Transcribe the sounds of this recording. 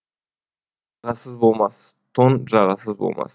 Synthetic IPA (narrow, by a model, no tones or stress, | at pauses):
ʁɑsəzbolˠmɑs | t̪ʰonʒɑʁɑsəzbo̰lˠmʔɑ̰s